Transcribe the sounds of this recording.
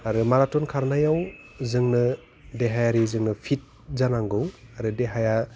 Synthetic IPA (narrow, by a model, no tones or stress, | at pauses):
aɾɯmaɾatɔnkʰaɾnajaw | zɯŋnɯ | deɦajaɾizɯŋnɯpʰit̚ | zanaŋɡɯwaɾɯdeɦaja